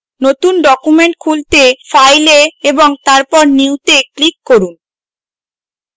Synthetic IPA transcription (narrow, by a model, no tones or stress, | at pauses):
not̪unɖɔkumeɳʈkʰult̪efajleeboŋt̪aɾpɔɾniwt̪eklikːoɾun